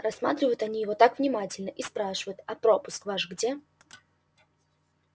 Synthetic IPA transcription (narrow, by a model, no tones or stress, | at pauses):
rɐsma̰t̪ɾʲɪvəjʊt̪ɐnʲijɪvot̪akvnʲɪmatʲɪlʲnəʔispɾaʂɨvəjʊt̪ɐpɾopʊskvaʂɡdʲe